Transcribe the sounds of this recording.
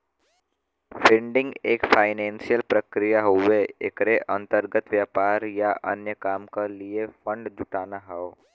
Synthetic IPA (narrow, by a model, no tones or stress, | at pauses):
fʰɪ̃ɳɖɪ̃ŋɡeːkfʰaːɪnɛ̃ːnsijəlpɾəkɾijaɦoʋeḛkɾeʔɐ̃nt̪əɾɡət̪ʋjaːpaːɾjaʔɐ̰njəkaːmkaliefə̃ɳɖd͡ʒʊʈaːnaɦɛo